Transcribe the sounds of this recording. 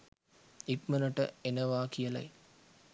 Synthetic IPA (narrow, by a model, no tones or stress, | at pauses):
ipmənəʈə̰enəʋaːkijəla̰j